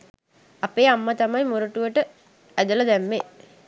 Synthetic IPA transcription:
apeːamːət̪amɐjmuɾuʈuʋəʈə | æd̪uləd̪æmːe

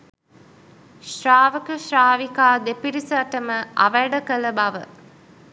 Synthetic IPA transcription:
ʃraːʋəkəʃraːʋikaːd̪epiɾisəaʈəməʔa̰ʋæɖəkələbaʋə

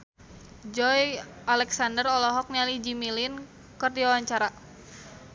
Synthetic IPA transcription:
d͡ʒɔj | alɛksandərɔlɔɦɔk̚nialid͡ʒimilin | kərdiawaɲt͡ʃaɾa

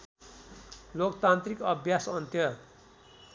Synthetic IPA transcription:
lokt̪ant̪rikʌbʱjasʌnt̪jʌ

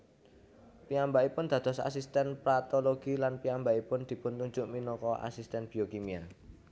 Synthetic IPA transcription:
piambaipʊnd̪̥ä̤d̪̥ɔ̤sa̰s̬ist̪ɛnpɾat̪oloɡ̥ilanpiambaipʊnd̪̥i̤pʊnt̪uɲd͡ʒʊʔminɔkɔʔa̰sist̪ɛnb̥iokimia

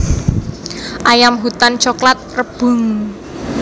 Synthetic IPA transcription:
ʔajamɦut̪ant͡ʃoklat̪̚rəb̥ṳŋ

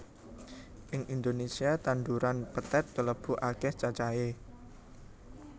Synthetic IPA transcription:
ʔɪŋʔind̪onesiat̪and̪uɾanpət̪ɛt̪̚kələb̥ṳʔakɛht͡ʃat͡ʃae

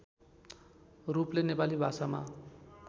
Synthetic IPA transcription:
ruplenepalibʱasama̰

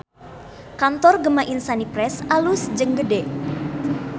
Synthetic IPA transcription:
kant̪ɔrɡəmaʔinsanipɾɛsalusd͡ʒəŋɡədɛ

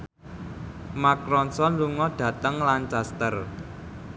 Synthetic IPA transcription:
makɾɔnsɔnluŋɔɖ̪̥ä̤t̪əŋlant͡ʃast̪ər

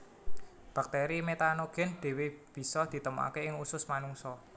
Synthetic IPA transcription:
b̥a̤k̚t̪ɛɾimet̪anoɡ̥ɛ̤nɖ̪̥ɛ̤web̥i̤sɔd̪̥i̤t̪əmua̰keɪŋusʊsmanuŋsɔ

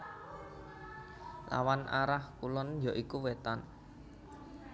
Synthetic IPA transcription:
la̰wanaɾahkulɔnjɔʔikuwet̪an

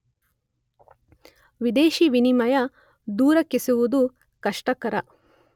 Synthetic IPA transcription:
ʋid̪eːʃiʋinimɐjɐ | d̪uːɾɐkːisuʋud̪u | kɐʂʈɐkɐɾɐ

